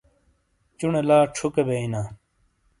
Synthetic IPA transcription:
t͡ɕuɳelaːʈ͡ʂʰukebeinaː

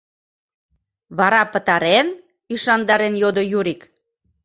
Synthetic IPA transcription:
βɑɾɑpə̆t̪ɑɾen | iʃɑnd̪ɑɾenjod̪ojuɾik

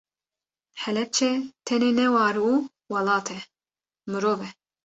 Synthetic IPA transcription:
hɛlɛp̚t͡ʃʰɛt̪ʰɛneːnɛwɑːɾu | wɑlɑːt̪ʰɛ | mɨɾoːvɛ

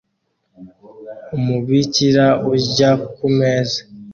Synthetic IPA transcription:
umuβiciɾauɟakumeːza

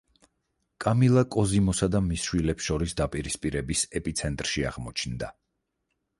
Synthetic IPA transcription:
kʼamilˠakʼɔzimɔsad̪amisʃwilɛpsʃɔɾisd̪apʼiɾispʼiɾɛbisɛpʼit̪sʰɛnt̪ʼɾʃia̰ʁmɔt͡ʃʰnd̪a

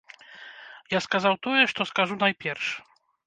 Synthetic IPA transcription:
jaskazawt̪ɔjɛʂt̪ɔskaʐunajpʲɛrʂ

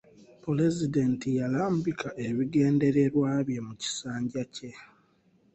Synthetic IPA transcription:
pole̞zide̞ntijalaːmbikʰaʔe̞βiɡe̞ːnde̞ɾe̞ɾwaːβje̞muci̥saːɲɟace̞

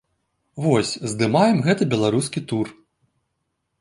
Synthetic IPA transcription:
vɔsʲzd̪ɨmajɛmɣɛt̪ɨbʲɛlˠaɾuskʲit̪ur

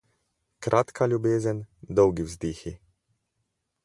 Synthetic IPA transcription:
kɾʔaːt̪kʰaljubeːzənd̪ɔwɡiwzd̪iːxi

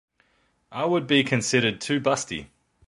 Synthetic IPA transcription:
aɪwəd̚bikʰə̃nsɪɾəd̚tʰʉːbʌstḭ

